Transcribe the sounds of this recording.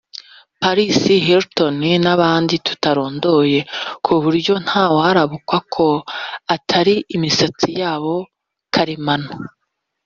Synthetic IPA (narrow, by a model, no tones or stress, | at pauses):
paɾisiɦeɾtoninaβaːnditu̥taɾo̞ːndo̞je̞kʰuβuɾɟo̞n̥haːwaaɾaβukwakʰo̞atʰaɾiʔːmisat͡sijaːβo̞ | kʰaɾimano